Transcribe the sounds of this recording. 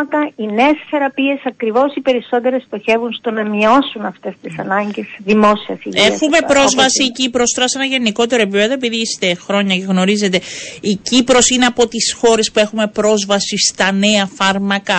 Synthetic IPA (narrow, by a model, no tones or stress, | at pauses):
t̪ɐinesθe̞ɾɐpie̞sɐkɾivo̞sipe̞ɾiso̞t̪e̞ɾest̪o̞çe̞vunst̪o̞nɐmio̞sunɐft̪e̞st̪isɐ̰nɐɲɟe̞sðimo̞siɐsiʝiesxume̞pɾo̞zvɐsiːcipɾo̞st̪oɐse̞nɐʝe̞niko̞t̪e̞ɾoe̞p̬ipe̞ðoe̞p̬iðiist̪e̞xɾo̞ɲɐceɣno̞ɾize̞t̪e̞icipɾo̞sine̞ɐpo̞t̪isxo̞ɾe̞spue̞xume̞pɾo̞zvɐsist̪ɐne̞ɐfɐɾmɐkɐ